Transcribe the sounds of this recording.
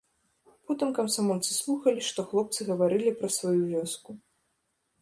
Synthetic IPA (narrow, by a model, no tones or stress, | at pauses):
pɔt̪ɨmkɐmsamɔlʲt̪sɨ̥slˠuxɐlʲiʂt̪ɔxlˠɔp̚t̪sɨɣɐvaɾɨlʲipɾɐsvajuvʲɔsku